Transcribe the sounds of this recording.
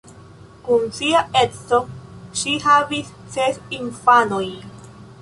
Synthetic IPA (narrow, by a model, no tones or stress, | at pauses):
kunsiaet͡so̞ʃiɦavis | sesinfanoj